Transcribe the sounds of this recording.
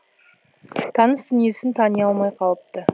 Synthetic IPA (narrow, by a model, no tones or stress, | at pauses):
t̪ʰɑnəsd̪ʏnije̞sɪnt̪ʰɑnijɑlˠmɑjqʰɑlˠəp̚t̪ə